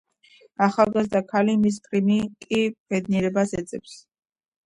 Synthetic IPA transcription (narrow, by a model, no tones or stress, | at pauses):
aχalˠɡazd̪akʰalimis̬t̪ʼɾinikʼib̥ɛd̪̚niɾɛbasɛt̪sʼɛps